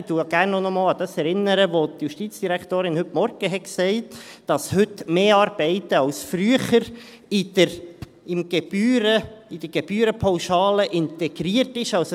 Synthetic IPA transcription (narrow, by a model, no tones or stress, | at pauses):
d̥uɡ̥æːɾrnːɔnɔmɑːlɑd̥̪ɑsɛɾɪnːəɾəʋot̪juʃtiːt͡sd̥iɾækʰt̪oːɾɪnhɵtmɔɾɡ̥əɦɛksɛɪtd̥ɑshʏtmeːɑːɾb̥ɛɪtəɑwsfɾyəχəɾ | ɪdəɾ | ɪmɡ̥eb̥yːɾəid̥̪əɡ̥eb̥yːɾəpʰɔwʃɑːləʔɪnt̪ɛɡ̥ɾiərtɪʃɑls